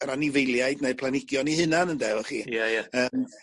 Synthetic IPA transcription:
əɾanivejlˠjaɨdneɨ̥pʰlˠanɪɡjɔnihɨnanəndɛwɔχḭːjɛjaəːm

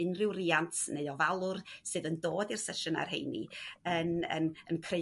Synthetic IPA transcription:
ɪnrɪwriːantʰneɨɔvalˠʊrsɨːðəndoːdirsɛʃʊna̰rɦḛjnḭənə̰nənkʰre

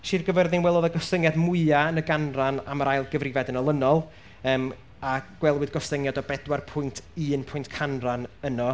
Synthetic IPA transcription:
ʃirɡəvərðɪnwɛlˠɔðəɡɔsəŋjadmʊɨaənəɡanrana̰məɾajlˠɡəvrɪvɛdənɔlˠənɔlˠ | əːm | aɡ̥wɛlˠwɪðɡɔsəŋjadɔbɛdwarpʰʊjntʰɨːnpʰʊjntkʰanranənɔ

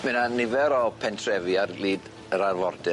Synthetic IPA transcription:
mɪnanɪvɛɾɔpʰɛntʰrɛviarliːd | əɾarvɔrdɨ

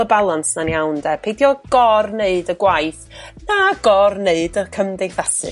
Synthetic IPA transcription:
əbalˠansnanjawndɛpʰejdjɔɡ̥ɔrneɨdəɡwajθnaɡɔrneɨdəkʰəmdejθasɨ̰

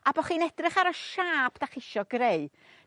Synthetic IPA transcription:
abɔχiːnɛdrɪχaɾɔʃaːpʰd̥aχɪʃɔɡreɨ

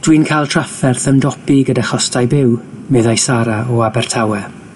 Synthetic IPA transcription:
d̥winkʰajlˠtʰr̥afɛrθəndɔpiɡədaχɔstajbɪw | mɨðajsaɾaɔabɛrtʰawɛ

